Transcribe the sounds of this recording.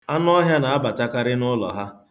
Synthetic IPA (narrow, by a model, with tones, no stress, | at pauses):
a˦n˦ɔ˦ɦja˦na˨a˦ba˨ta˦ka˦ɾɪ˦nʊ˦lɔ̰˨ɦa˦